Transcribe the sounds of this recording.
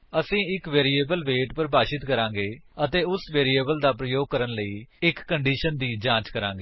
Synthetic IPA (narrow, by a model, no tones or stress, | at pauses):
əsĩːɪkʋeːɾiːeːbəlʋeːʈpəɾbaːʃɪt̪kəɾãːŋɡeːət̪eːʊsʋeːɾiːeːbəld̪aːpɾəjoːɡ̚kəɾənləiːɪkːəɳɖiːʃənd̪iːd͡ʒãːt͡ʃkəɾãːŋɡeː